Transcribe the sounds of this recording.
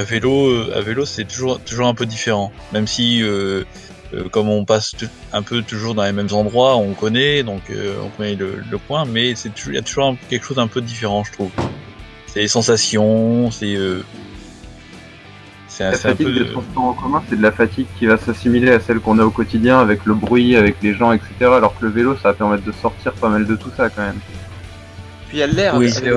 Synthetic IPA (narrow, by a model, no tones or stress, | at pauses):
aveloøa̰velosɛt̪uʒuʁt̪uʒuʁɛ̃pød̪ifeʁɑ̃ | mɛmsiø | ø̰kɔmɔ̃pasu | ɛ̃pøt̪uʒuʁd̪ɑ̃lemɛmzɑ̃d̪ʁwaɔ̃kɔnɛd̪ɔ̃kø̰ɔ̰̃kɔnɛlə̰ləpwɛ̃mɛsɛt̪uʒuja̰t̪uʒuʁɛ̃kʲɛlkəʃozd̪ɛ̃pøəd̪ifeʁɑ̃ʒət̪χuv | sɛlesɑ̃sasjɔ̃sɛø | sɛ̃lasɛfɛ̃t̪iɡ̚d̪et̪χɑ̃spɔʁɑ̃kɔmɛ̃sɛd̪əlafat̪iɡ̚kʲivasasimileasɛlkɔ̃naokɔt̪id̪jɛ̃avɛkləbʁɥiavɛkleʒɑ̃ɛkset̪eʁaːlɔʁkələvelosapɛʁmɛt̪̚d̪əsɔʁt̪iʁpamald̪ət̪usakɑ̃mɛm | piɛlːɛʁwi